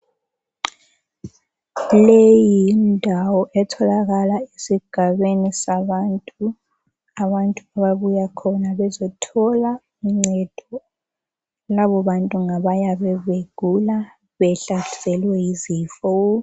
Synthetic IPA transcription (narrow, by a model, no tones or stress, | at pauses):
lejindʱawɔʔɛtʰɔlaɣalaesiɡ̥ʱaβenisaβantʼu | aβantʼuaβaβujakʰɔnaβɛzɔtʰɔla | uŋ͡ǀɛd̥ʱɔ | laβɔβantʼuŋaβajaβɛβeɡ̥ʱula | βɛɬaɬi̥sɛlwɛjizifɔ